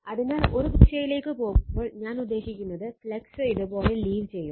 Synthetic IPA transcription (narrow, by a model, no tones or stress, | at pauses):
ɐðɨnaːloɾubikʂɐjileːkːɨpoːɣumːoːɭɲaːnud̪ːe̞ːɕikʲːunːɐðɨfɭeksɨiðɨpo̞ːleliːʋt͡ɕe̞jːum